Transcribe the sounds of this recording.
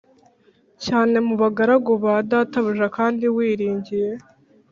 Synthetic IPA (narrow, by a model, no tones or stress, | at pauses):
caːne̞muβaɡaɾaɡoβadaːtaβuʒakaːndiwiːɾiːɲɟije̞